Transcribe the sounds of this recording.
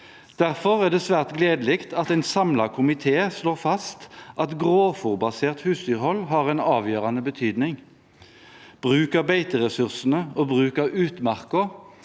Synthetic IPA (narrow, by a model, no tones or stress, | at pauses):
d̪̥æʁfɔʁæːʁd̪ɛːsʋæːʁt̪ɡleːd̪əlɪkt̪ɑt̪ɛɪnsɑmlɑkʰʊmɪt̪ʰeːsloːʁfɑst̪ʔɑt̪ɡʁoːfʊʁbɑseːʁt̪hʉːsd̪yːʁhɔlɦɑʁɛɪnɑːʋjøːʁɑnəbət̪ʰyːd̪nɪŋ | b̥ʁʉːkəʁbeɪt̪əʁɛsʉʁsn̩əoːbʁʉːkəʉːt̪mæʁkə